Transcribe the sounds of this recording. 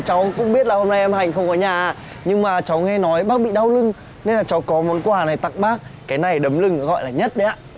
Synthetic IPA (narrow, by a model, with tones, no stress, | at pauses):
t͡ɕa˨˦wkʊ̰˧˥ŋ͡mɓi˦˥ət̚laː˨˩ho˧mna˧jʔɛ˧mha˨˩jŋ̟xə˧wŋ͡mʔɔː˨˩˦ɲaː˨˩˧ | ɲɨ˧ŋmaː˨˩t͡ɕa˨˦wŋɛ˧nɔ˨˦jɓaː˦˥k̚ɓḭ˧˨ɗa˧wlɨ˧ŋ | ne˧nlaː˨˩t͡ɕa˨˦wkɔ˨˦mo˨˦nkwaː˨˩na˨˩jt̪a̰˧˨ŋɓaː˦˥k̚kaː˨˦jna˨˩jɗə˨˦mlɨ˧ŋ˨˦ɣɔ̰˧˨jlaː˨˩ɲə˦˥t̚ɗə˨˦jaː˧˩